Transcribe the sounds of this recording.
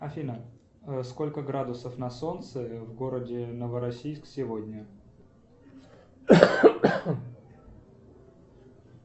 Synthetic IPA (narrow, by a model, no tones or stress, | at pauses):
ɐfʲinə | sko̞lʲkəɡɾad̪ʊsəfnɐso̞nt̪sɨvɡo̞ɾədʲɪnəvəɾɐsʲijsksʲɪvodʲnʲə